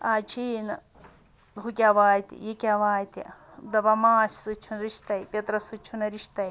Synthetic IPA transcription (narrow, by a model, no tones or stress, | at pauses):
aːt͡ʃʰiːnɐ | ɦukʲaʋaːjt̪ḭjikʲaʋaːjt̪ḭ | d̪ɐbɐmaːssɨt͡ʃʰunɾiʃt̪ɐjpʲɐt̪ɾɐsɨt͡ʃʰunɐɾiʃt̪ɐj